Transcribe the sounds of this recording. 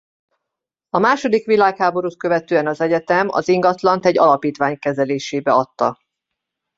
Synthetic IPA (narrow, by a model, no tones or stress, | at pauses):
ɒmaːʃo̞d̪ikʋilaːkhaːbo̞ɾut̪̚køvɛt̪øːɛnɒzɛɟɛt̪ɛmɒ̰ziŋɡɒt̪lɒnt̪ɛɟːɒlɒpiːt̪ʋaːɲkɛzɛleːʃeːbɛɒt̪ːɒ